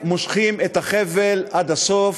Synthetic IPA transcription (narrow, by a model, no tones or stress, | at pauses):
moʃχimet̪haχevelʔad̪aso̞f